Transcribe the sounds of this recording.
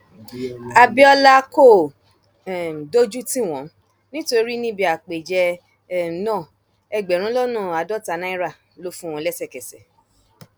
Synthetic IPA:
a˧bi˦ɔ˧la˦ko˦˨ | do˦d͡ʒu˦tĩ˦˨w̃ɔ̃˨˦ | nĩ˦to˧˦ɾi˦nĩ˦bi˧˦a˨k͡pe˨d͡ʒɛ˧˨ | nãː˦˨ | ɛ˧ɡ͡bɛ˨ɾ̃ũ˦lɔ˦nũ˦˨a˨dɔ˦ta˨˧nã˦i˦ɾa˦˨ | lo˦fũ˦w̃ɔ̃˧lɛ˦sɛ˦˨kɛ˨sɛ̰˨

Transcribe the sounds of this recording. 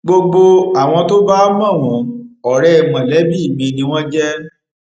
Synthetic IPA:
ɡ͡bo˧ɡ͡bo˧a˨w̃ɔ̃˧to˦ba˦mã˦˨w̃ɔ̃˨˦ɔ˨ɾɛ˨mã˨lɛ˨˦bi˦i˦˨mĩ˧nĩ˧w̃ɔ̃˦d͡ʒɛ˦

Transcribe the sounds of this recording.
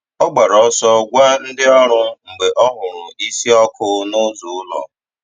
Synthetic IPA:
ɔ˦ɡ͡ba˨ɾɔ˦sɔ˦ɡʷa˦n̩˦dɪ˦ɔ˦ɾʊ˦ŋ͡m̩˨ɡ͡be˨ʔɔ˦ɦʊ˨ɾʊ˨i˦si˦ɔ˦kʰʊ˦nʊ˦zu˨ʊ˦lɔ̰˨

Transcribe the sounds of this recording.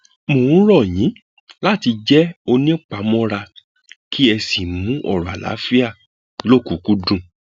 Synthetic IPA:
mõ˨˦ɾɔ˦˨jĩ˨˦ | la˦˨ti˧d͡ʒɛ˦o˧nĩ˦˨k͡pa˨˦mɔ̃˦ɾa˧ | kʰi˦ɛ˧si˦˨mũ˨˦ʔɔ̰˦˨ɾɔ˨a̰˨la̰˨˦fi˦a˦˨ | lo˦˨ku˨ku˦dũ˦˨

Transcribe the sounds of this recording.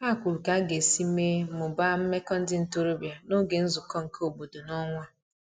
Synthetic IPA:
a˦˨kʷu˨ɾu˨ka˨˦ɡe˨si˦me˦mʊ˨ba˦m̩˦me˦kɔ˦n̩˦dɪ˦n̩˨to˦ɾo˦bja˨no˦ɡe˨n̩˦zʊ˨kɔ˦ŋ̩˨ko˨bo˨do˨nɔ˦ŋʷa˦

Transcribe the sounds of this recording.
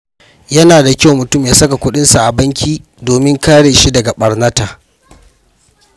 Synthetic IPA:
jɐ˦naː˨da˨kʲa˦wmʊ˨tʊ˦˨mjaː˦sɐ˦ka˨kʷʊ˦ɗɪ˦nsa˨ʔa˨bɐ˦ŋkʲiː˦ | doː˨mɪ˦ŋkaː˦ɽeː˨ʃi˦dɐ˨ɡa˨ɓɐ˨rnɐ˦taː˨

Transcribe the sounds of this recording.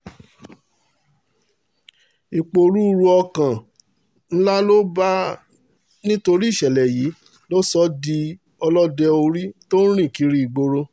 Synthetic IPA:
i˨k͡po˨ɾu˦˧ɾu˧ɔ˧kã˨ | n̩˦la˦lo˦ba˦ | nĩ˦to˧ɾi˦˨ʃɛ˨lɛ˨ji˨˦ | lo˦sɔ˦di˧ | ɔ˧lɔ˦dɛ˧o˧ɾi˦to˦n˦ɾ̃ĩ˦˨ki˨˦ɾi˦i˨ɡ͡bo˧˦ɾo˦

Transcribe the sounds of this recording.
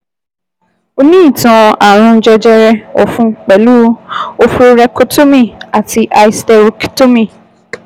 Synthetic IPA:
o˧nĩ˦i˦˨tã˧a˨ɾ̃ũ˧˦d͡ʒɛ˧d͡ʒɛ˧ɾɛ˧ɔ̰˨fũ˧k͡pɛ˨lu˦o˧fɾɛ˧ko˦to˦mĩ˦˨a˨ti˧ʔa˧i˧˦stɛ˧ɾi˧kto˦mĩ˨

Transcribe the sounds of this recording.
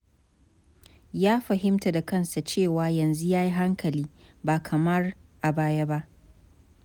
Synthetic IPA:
jaː˦ɸɐ˨ɦɪ˦mta˨da˨kɐ˦nsa˨t͡ʃeː˦˨waː˨jɐ˨nzu˦jaː˦ji˦ɦa˦ŋkʰɐ˨liː˦ | baː˨kʰɐ˨mɐ˦rʔa˨baː˦ja˦ba˦ʔ

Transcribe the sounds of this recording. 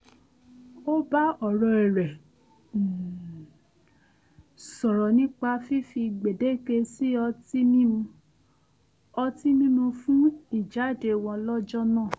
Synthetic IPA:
o˦ba˦ɔ˦˨ɾɔ˧ɛ˨ɾɛ˨ | sɔ˨ɾɔ˨nĩ˦k͡pa˧fi˦fi˧ɡ͡be˨de˦ke˧si˦ɔ˧ti˦mĩ˦mũ˧ | ɔ˧ti˦nĩ˦nũ˧fũ˦i˦˨d͡ʒa˨˦˨de˧w̃ɔ̃˧lɔ˦d͡ʒɔ˦nãː˦˨

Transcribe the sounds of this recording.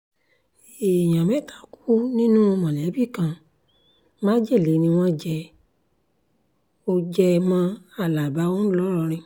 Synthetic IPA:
e˨j̃ã˨mɛ̃˨˦˨ta˧˨ku̥˦nĩ˦nũ˦o˧mã˨lɛ˨˦bi˦˨kã˧ | mã˦d͡ʒɛ˦˨le˨˦nĩ˧w̃ɔ̃˦d͡ʒɛ˧ | o˧d͡ʒɛ˧mã˦a˦˨la˨ba˨˦õ˦lɔ˦ɾɔ˧ɾ̃ĩ˧

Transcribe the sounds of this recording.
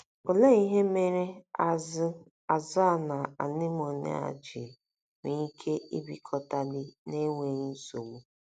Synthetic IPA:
o˨le˦i˦ɦe˦me˦ɾe˦a˨zɪ˦ | a˨za˦˨na˨a̰˨nɪ˦m˦o˨nḛ˦a̰˨d͡ʒɪ˨ | ni˦kʰe˦i˦bi˨kʰɔ˨ta˨lɪ˦ne˦ŋʷe˨ɾi˦so˨wu˦

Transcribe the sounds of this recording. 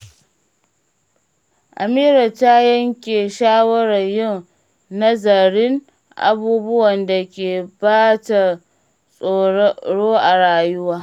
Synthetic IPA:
ʔa˨miː˦ɾɐ˨ta˦jɐ˦ŋkʲeː˨ʃaː˦wɐ˦ɽɐ˨jɪ˦˨ŋ | nɐ˦zɐ˨ɽɪ˦ŋ | ʔa̰˨buː˦bʊ˦wɐ˨nda˨kʲeː˨baː˦ta˨ | sʼoː˨˦ɽoː˦ʔa˨ɽaː˨jʊ˦waː˦

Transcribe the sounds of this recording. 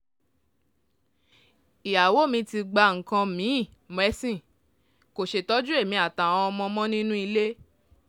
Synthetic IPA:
i˨ja˨wo˨˦˨mĩ˧ti˧ɡ͡ba˧ŋ̩˨kã˧mĩ˨˦i˦˨ | m˨ɛ˧˦sĩ˦˨ | ko˨ʃe˨tɔ˦d͡ʒu˦e˦˨mĩ˧˦a˨ta˨w̃ɔ̃˧ɔ˧mɔ̃˧mɔ̃˦nĩ˦nũ˦i˧le˦

